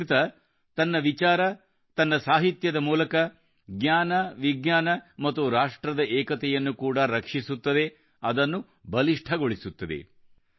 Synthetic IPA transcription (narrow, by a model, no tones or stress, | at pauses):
t̪ɐ | t̪ɐnːɐʋit͡ʃaːɾɐ | t̪ɐnːɐsaːɦit̪jɐd̪ɐmuːlɐkɐ | ɡɲaːnɐʋiɡɲaːnɐmɐt̪ːuɾaːʂʈɾɐd̪ɐʔɛːkɐt̪ɛjɐnːukuːɽɐɾɐkʂisut̪ːɐd̪e̞ | ɐd̪ɐnːu | bɐliʂʈʰɐɡoɭisut̪ːɐd̪ḛ